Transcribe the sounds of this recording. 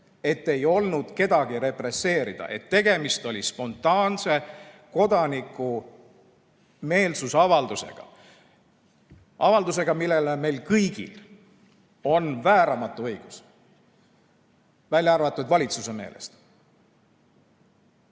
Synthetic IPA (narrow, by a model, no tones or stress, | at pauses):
e̞t̪ːe̞jo̞lnud̪̥ke̞d̪̥ɑɡ̥iɾe̞pre̞sːe̞ːɾid̪̥ɑ̰ʔe̞̰t̪ːe̞ɡ̥e̞mist̪o̞lʲispo̞nt̪ːˑɑːnse̞ko̞d̪̥ɑnikːˑu | me̞ːlsusɑvɑld̪use̞̰ɡ̥ɑ̰ | ɑvɑld̪us̬e̞ɡ̥ɑmilːe̞leme̞jlkɤjɡ̥ḭl | o̞nvæːɾɑmɑt̪ːˑuɤjɡ̥us | vælʲjɑrvɑt̪ːˑud̪vɑlʲit̪suse̞me̞̰ːlḛst̪